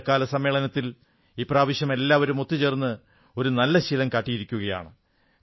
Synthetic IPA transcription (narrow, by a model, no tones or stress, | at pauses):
kːaːlɐsɐmːeːɭɐnɐt̪ːil | iːpraːʋiɕjɐme̞lːaːʋɐɾumot̪ːit͡ɕe̞ːrnːɨ | o̞ɾunɐlːɐɕilɐmkaːʈːijiɾikʲːuɣɐja̰ːɳɨ